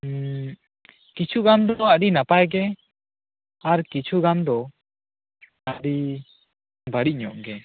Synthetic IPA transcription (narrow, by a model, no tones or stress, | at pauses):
kit͡ʃʰuɡamd̪ɔaɖinapajɡɛ | aɾkit͡ʃʰuɡamd̪ɔ | aɖi | baɽit̚ˀɲɔʔɡɛ